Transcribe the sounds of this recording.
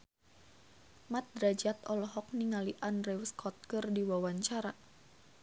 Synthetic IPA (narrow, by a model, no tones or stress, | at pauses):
mat̪̚dɾad͡ʒat̪ɔlɔɦɔk̚niŋaliʔanrɛwskʰɔt̪̚kɨrdiwawaɲt͡ʃaɾa